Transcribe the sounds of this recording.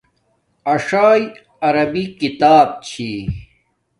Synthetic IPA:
ɐʂaːj | ɐɾɐbikit̪aːb̚t͡ɕʰi

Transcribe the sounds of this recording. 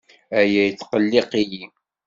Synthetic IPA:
æjæjət͡sːqəlːɪqiji

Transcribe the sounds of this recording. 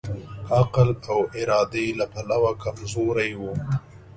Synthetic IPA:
aqlawɪɾɑːd̪elapalawakamzoɾajwu

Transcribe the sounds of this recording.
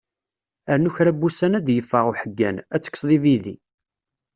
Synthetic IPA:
æɾnuçɾæbːusænæd̪jəfːəʁuħəɡːæ̰næt͡sːə̥kːsˤðˤiviðḭ

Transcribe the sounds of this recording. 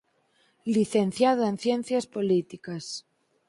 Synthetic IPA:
liθenθjaðoẽnθjen̟θjaspolit̪ikas

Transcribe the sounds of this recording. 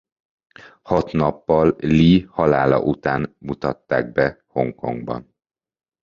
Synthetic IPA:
hɒt̪nɒpːɒlːihɒlaːlɒ̰ʔut̪aːnmut̪ɒt̪ːa̰ːɡ̚bɛ | ho̞ŋko̞̰ŋɡbɒ̰n

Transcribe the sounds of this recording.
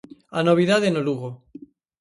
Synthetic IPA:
anoβiðaðenoluɣo

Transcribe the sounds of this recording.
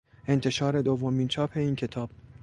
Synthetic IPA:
e̞nt̪ʰe̞ʃɒːɾe̞d̪ovːomiːnt͡ʃʰɒːpʰe̞iːncʰe̞t̪ʰɒːb̥̚

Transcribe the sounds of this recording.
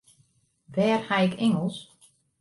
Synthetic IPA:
ʋɛːrhaɪkʰɪŋəlˠs

